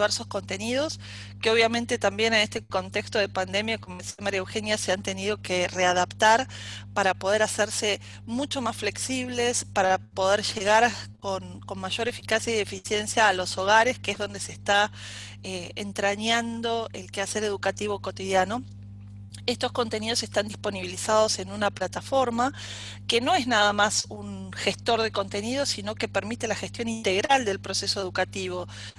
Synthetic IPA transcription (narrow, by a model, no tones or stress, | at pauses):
βeɾso̞sko̞nt̪e̞niðo̞s | keo̞β̞jamẽnt̪et̪ambje̞nenest̪eko̞nt̪ekst̪o̞ð̞e̞pand̪e̞mjakomoisiamaɾjaewxe̞njaseant̪e̞niðo̞kere̞aðapt̪aɾ | paɾapo̞ð̞eɾaseɾse | mut͡ʃo̞masfle̞ksiβlespaɾapo̞ð̞eɾʒe̞ɣaɾkon | ko̞nmaʒo̞ɾe̞fi̥kasjaiðe̞fisje̞nsjaːlo̞so̞ɣ̞aɾe̞skeezðo̞nd̪e̞sest̪a | eent̪ɾaɲand̪o̞ḛlkeaseɾe̞ð̞ukat̪iβoko̞t̪ið̞jano̞ | est̪o̞sko̞nt̪e̞niðo̞sest̪and̪ispo̞niβilisað̞o̞se̞nunaplat̪afo̞ɾma | keno̞e̞znaðamasunxe̞st̪o̞ɾðe̞ko̞nt̪e̞nið̞osino̞ke̞peɾmit̪elaxest̪jo̞nint̪e̞ɣɾald̪e̞lpɾo̞se̞soe̞ð̞ukat̪iβ̞o̞